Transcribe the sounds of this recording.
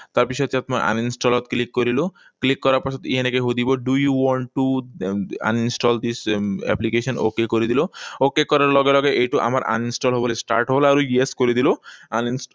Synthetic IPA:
t̪aɾpisʰɔt̪iat̪maʔa̰ninsʈɔlɔt̪klikːoɾilo | klikːɔɾaɾpasʰɔt̪eiɦenekeɦod̪ibɔɖujuwɔɳʈʈːu | a̰ninsʈɔld̪isɛ̰plikesɔno̰kekoɾid̪ilookekɔɾaɾlɔɡelɔɡeʔejʈuʔa̰maɾʔa̰ninsʈɔlɦɔbɔlesʈa̰ɾʈɦɔblaɾueskoɾid̪iloanins

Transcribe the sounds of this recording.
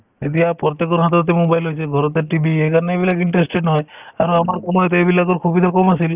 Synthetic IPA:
ed̪iapɔɾɔt̪ekɔɾɦat̪ɔɾt̪emobajlɦɔjt͡ʃʰeɡʱɔɾɔt̪eɾʈibʱiekaɾɔneebilakiɳʈɾesʈeɖnɦɔjaɾɔ̃amaɾkɔmɦɔjt̪eebilakɔɾkʰubid̪ʰʱakɔmasil

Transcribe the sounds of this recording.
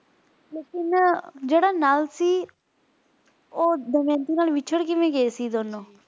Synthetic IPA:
leːkɪnd͡ʒeːɽaːnaːlsiː | oːd̪əmɛ̃ːnt̪iːnaːlʋɪt͡ʃʰəɽkɪmẽːɡeesiːd̪oːnõː

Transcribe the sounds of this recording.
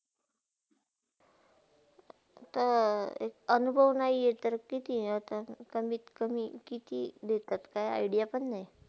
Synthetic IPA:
t̪əḛkənubʱəʋnaijet̪əɾkit̪iət̪akəmiːt̪kəmikit̪iːd̪et̪at̪kaja̰jɽijapəɳːaj

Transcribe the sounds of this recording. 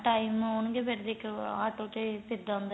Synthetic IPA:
ʈaːimʊnɡebeʈd̪ekaːʈoːt̪epɪd̪ãnd̪

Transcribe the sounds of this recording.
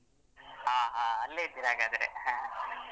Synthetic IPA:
ɦaːɦãːɐlːeid̪iɾaːɡaːd̪ɐɾḛhã

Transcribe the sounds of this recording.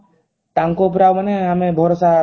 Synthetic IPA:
t̪aŋkop̬ɾawmaneɦamẽbʱɔɾosa

